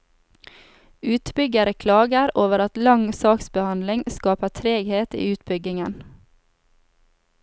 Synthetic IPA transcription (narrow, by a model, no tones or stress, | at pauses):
ʉːt̪bʏɡəɾəkʰlɑːɡəɾoːʋəɾɑt̪lɑŋsɑːksbəhɑnlɪŋskɑːpətʰɾeːɡheːt̪ḭːʉːt̪bʏɡɪŋən